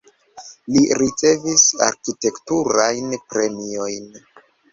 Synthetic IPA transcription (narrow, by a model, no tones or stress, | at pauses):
liɾit͡se̞visa̰ɾkite̞ktuɾajnpɾe̞mio̞jn